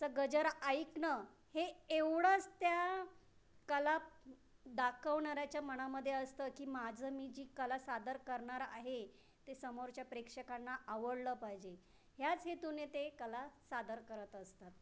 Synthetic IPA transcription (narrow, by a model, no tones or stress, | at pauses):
t͡səɡəd͡ʑəɾajknə | heeʋɽət͡st̪ja | kəla | d̪akʰəʋɳaɾjat͡ɕjaməɳ̃aməd̪ʱːjeəst̪əːkiːmad͡zʱəmiːd͡ʑiːkəlasad̪əɾkəɾɳaɾa̰ɦe | t̪esəmoɾt͡ɕjapɾekʂəkanːaʔaʋəɽləːpajd͡ʑe | ɦjat͡sɦet̪unet̪ekəlasad̪əɾkəɾət̪əst̪at̪̚